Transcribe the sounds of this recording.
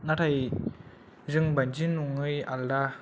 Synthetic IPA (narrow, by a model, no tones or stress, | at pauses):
natʰaj | zɯŋband͡ʒinuŋɯja̰lda